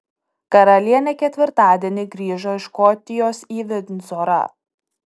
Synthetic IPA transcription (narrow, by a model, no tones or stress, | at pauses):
kɐɾɐlʲiɛnʲɛkʲɛt̪ʲʋʲɪɾt̪ɑːd̪ʲiɛnʲɪɡɾʲiːʒoɪʃkɔt̪ʲɪjoːsiːʋʲɛd̪ʲnʲzoɾɐ̰